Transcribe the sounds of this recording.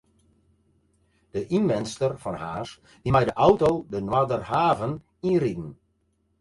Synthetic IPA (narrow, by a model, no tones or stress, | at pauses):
d̥əʔinmɛnstərfɔnhaːs | dimɛjdəʔɔwtowdənwadərhaːvən | iridn̩